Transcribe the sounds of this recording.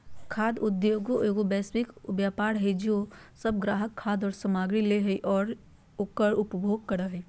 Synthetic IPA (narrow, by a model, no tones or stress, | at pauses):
kʰaːd̪ʊd̪joːɡoʔeːɡobɛːswɪkʋjaːpaːɾɦɛd͡ʒoːsəb̚ɡɾaːɦəkʰːaːd̪ɔːɾsəmaːɡɾileɦɛiʔɔːɾ | okəɾʊpbʱoːɡ̚kəɾəɦɛ